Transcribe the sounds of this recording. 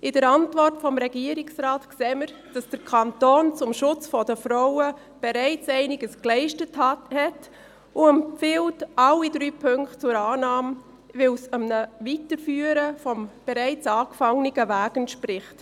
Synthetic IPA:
ʔɪdəɾɑntvɔrtfɔmɾɛɡ̥iəɾɪksɾɑːtkseːməɾd̥ɑsd̥əɾkʰɑntoːnt͡sʊmʃʊt͡sfɔdəfɾɔʊə | b̥ɛɾɛɪt͡sɛɪnɪɡəsklɛɪʃtəthhɛt | ʊɛmpfɪltʔɑlːidɾyːpʰʏŋktt͡sʊɾɑːnɑːm | vɪlsəmnəvitəɾfyːəɾəfɔmb̥ɛɾɛɪt͡sɑːkfɑŋniɡəvæːɡəntʃprɪχt

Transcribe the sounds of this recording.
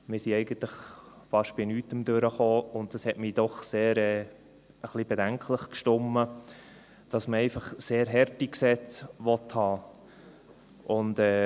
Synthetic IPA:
mɪɾsiɛɪɡən̩tlɪχfɑʃb̥ɪnyːtəmd̥ʉɾəχoːʊnt̚d̥ɑshɛtmiːd̥ɔχseːɾɛː | əχlib̥edæŋkʰləχkʃtʊmːə | d̥ɑsməɛɪfɑχseːɾɦɛɾtiksɛt͡sʋɔthɑː | ʔʊndɛː

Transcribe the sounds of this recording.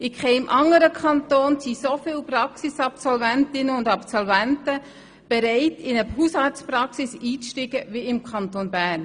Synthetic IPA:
ɪkχɛɪmʔɑŋəɾəkʰχɑntoːnsisofɪlprɑksisɑpsɔlvæntɪnəʊndɑpsɔlvæntə | b̥ɛɾɛɪtɪnəɦushɑːtspɾɑksisiːt͡sʃtɪɡ̥əʋiɪmkʰɑntonbæːn

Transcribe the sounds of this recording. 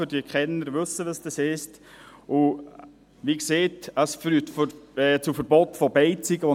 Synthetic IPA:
ʏɾdiəkχɛnːəɾʋɵsəʋəsd̥əsɪst | ʔʊ | ʋikseːtasfɾytfɛt͡sʊfəɾbɔtfɔbɛɪt͡siɡəʋo

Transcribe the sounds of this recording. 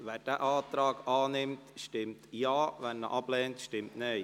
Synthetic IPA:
ʋæːɾd̥æːʔɑːt̪ɾɑːɡɑːnɪmtʃtɪmtjɑːʋɛnːə̰ʔɑb̥lɛːntʃtɪmtne

